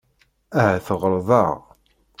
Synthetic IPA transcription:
æɦæθəʁəɾˤðˤɑ̰ʁ

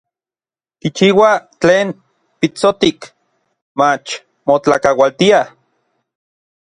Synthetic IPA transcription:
kit͡ʃiːwat͡ɬeːn | pit͡sot̪ik | mat͡ʃ | mot͡ɬakawalt̪ia

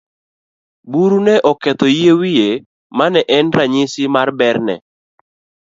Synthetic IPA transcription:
buɾunɛʔɔkɛt̪ɔjewije | manɛʔɛnɾaɲɪsɪmarbɛrnɛ̰

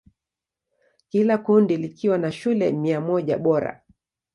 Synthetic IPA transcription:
kilakundilikʰiwanaʃulɛmiamɔʄa̰ɓɔɾa̰

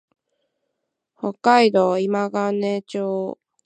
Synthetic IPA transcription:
hokːaid̪oːimaɡanet͡ɕoː

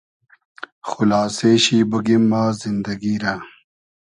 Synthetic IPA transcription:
xulaːseːɕiːbuɡimːaːzind̪ɐɡiːɾa

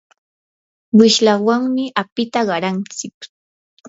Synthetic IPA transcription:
wɪʃlawaŋmɪʔapɪt̪aɢɑɾant͡sɪk

